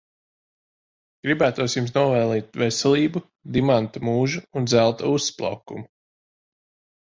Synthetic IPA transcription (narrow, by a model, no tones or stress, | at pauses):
ɡ̥ɾibæːt̪uɔsjums̬nuɔvɛːlˠiːt̪ʲvesɛlˠiːbu | d̪imant̪amuːʒuund̪zælˠt̪ausːplˠa̰wkṵmu